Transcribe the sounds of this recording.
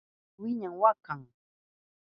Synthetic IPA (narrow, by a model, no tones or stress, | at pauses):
wɪɲaŋwakaŋ